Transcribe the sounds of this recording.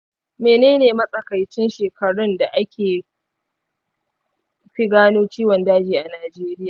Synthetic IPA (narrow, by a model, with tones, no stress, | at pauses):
meː˨neː˦neː˨mɐ˦sʼɐ˨kɐ˨jt͡ʃɪ˦nʃeː˨kʰɐ˨ɽʊ˦nda˨ʔa˦kʲʰeː˨ | ɸi˦ɡaː˦noː˦t͡ʃiː˦wɔ˨ndaː˦d͡ʒiː˨ʔa˨naː˨d͡ʒeː˦ɾɪ˦jaː˨